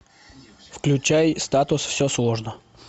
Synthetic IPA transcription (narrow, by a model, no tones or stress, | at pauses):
fklʲʉt͡ɕæjst̪at̪ʊsfsʲoslˠo̞ʐnə